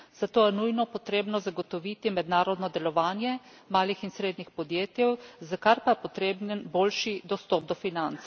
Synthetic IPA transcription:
z̥at̪oːjɛnujnɔpɔt̪ɾeːbnɔzaɡot̪ɔʋiːt̪imɛd̪naːɾɔd̪nɔd̪ɛlɔʋaːnjɛ | maːlixinsɾeːd̪nixpɔd̪jeːt̪jɛwzakaɾpajɛpɔt̪ɾeːbnənboːlʃid̪ɔst̪ɔb̚d̪ɔfinant̪s

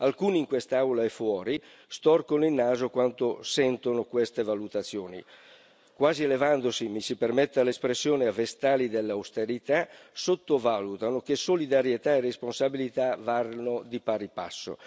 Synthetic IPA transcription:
alkuːniːŋkwest̪awlaɛfːwɔːɾi | st̪ɔrkonoilnːaːzokwant̪osɛnt̪onokwest̪evalut̪at̪sːjoːnḭ | kwaːzielevand̪osimisipermet̪ːealespɾesːjoːneavest̪aːlid̪elːawst̪eɾit̪asot̪ːovalut̪anok̟esolid̪aɾjet̪aeresponsabilit̪avarnod̪ipaɾipa̰sːo̰

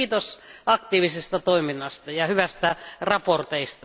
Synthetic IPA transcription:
t̪osɑk̚t̪iːʋisest̪ɑt̪oiminːɑst̪ɑjɑhyʋæst̪ærɑport̪eist̪ɑ

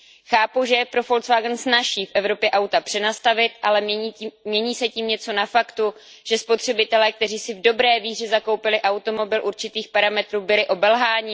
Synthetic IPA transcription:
xaːpuʒɛpɾo̞fo̞lt̪svaːɡnsnaʃiːfʔɛvɾo̞pjɛʔawt̪apr̥ɛnast̪avɪt̪ʔalɛmɲɛɲiːsɛciːmɲɛt͡so̞nafakt̪u | ʒ̥ɛspo̞t̪r̝̥ɛbɪt̪ɛlɛk̚t̪ɛr̝iːsɪvdo̞bɾɛːviːr̝ɛzako̞wpɪlɪʔawt̪o̞mo̞bɪlʔuɾt͡ʃɪt̪iːxpaɾamɛt̪ɾuːbɪlɪʔo̞bɛlɦaːɲɪ

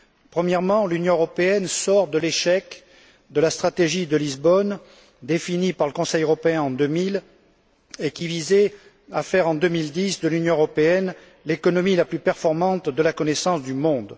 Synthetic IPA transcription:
pχəmjɛʁmɑ̃lynjɔ̃øʁɔpeɛnsɔʁd̪əleʃɛk | d̪əlast̪χat̪eʒid̪əlizbɔn | d̪efinipaʁləkɔ̃sɛjøʁɔpeɛ̃ɑ̃d̪ømil | ekʲivizɛ | afɛʁɑ̃d̪ømild̪isd̪əlynjɔ̃øʁɔpeɛn | lekɔnɔmilaplypɛʁfɔʁmɑ̃t̪d̪əlakɔnesɑ̃sd̪ymɔ̃d̪

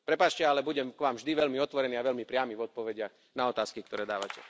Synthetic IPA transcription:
pɾɛpaːt͡ʃcɛalɛbuɟɛmkʋaːmvʒd̪iʋɛʎmiɔt̪ʋɔɾɛniːaʋɛʎmipɾɪamivɔt̪̚pɔʋɛɟɪaɣ | naɔt̪aːskik̚t̪ɔɾɛːd̪aːʋa̰cɛ

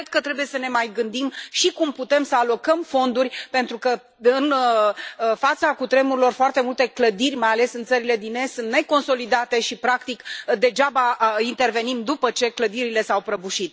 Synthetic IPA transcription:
kɾed̪̚kət̪ɾebuje̞səne̞majɡɨnd̪imʃikumput̪e̞msəalo̞kəmfo̞nd̪urʲpe̞nt̪ɾukə | ɨn | fat̪sakut̪ɾe̞muɾilo̞rfoart̪e̞mult̪e̞kləd̪irʲmajale̞sɨnt̪səɾile̞d̪ine̞st̪sɨnt̪ne̞ko̞nso̞lid̪at̪e̞ʃipɾakt̪ikd̪e̞d͡ʒabaint̪e̞rve̞nimd̪upət͡ʃe̞kləd̪iɾile̞sawpɾəbuʃit̪̚

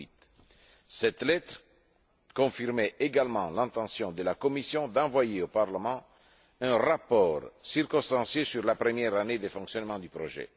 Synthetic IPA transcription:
it̪ | sɛt̪lɛt̪ɾ | kɔ̃fiʁmɛeɡalmɑ̃lɛ̃nt̪ɑ̃sjɔ̃d̪əlakɔmisjɔ̃d̪ɑ̃vwajeopaʁləmɑ̃ | ɛ̃ʁapɔɾsirkɔ̃st̪ɑ̃sjesyʁlapɾəmjɛʁaned̪efɔ̃ŋksjɔnmɑ̃d̪ypɾo̰ʒɛ̰

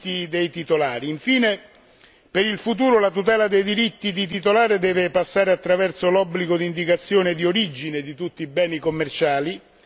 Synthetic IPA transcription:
id̪ejt̪it̪olaːɾiiɱfiːne | peɾilfut̪̬uːɾolat̪ut̪̬ɛːlad̪ejd̪iɾit̪ːid̪̬it̪̬it̪olaːɾed̪ɛːvepasːaːɾeat̪ːɾavɛrt̪solɔbːliɡod̪iːnd̪ikat̪sːjoːned̪ioɾid͡ʒined̪it̪ut̪ːiːbɛːnikomːert͡ʃaːli

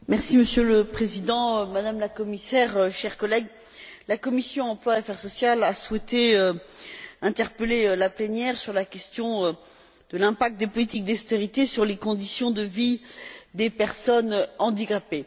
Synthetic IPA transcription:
mɛʁsiməsjøləpχezid̪ɑ̃ømad̪amlakɔmisɛʁʃɛʁkɔlɛɡ | lakɔmisjɔ̃ɑ̃plwaafɛʁsɔsjalaswɛt̪eø | ɛ̃t̪ɛʁpəlelaplenjɛʁsyʁlakʲɛst̪jɔ̃ø | d̪̥əlɛ̃pak̚t̪̚d̪epɔlit̪ik̚d̪est̪eʁit̪esyʁlekɔ̃d̪isjɔ̃d̪əvid̪epɛʁsɔnɑ̃d̪ikape

